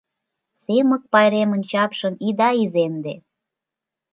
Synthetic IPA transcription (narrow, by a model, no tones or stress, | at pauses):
semə̆k̚pɑjɾemə̆nʲt͡ɕɑpʃəmid̪ɑizemd̪e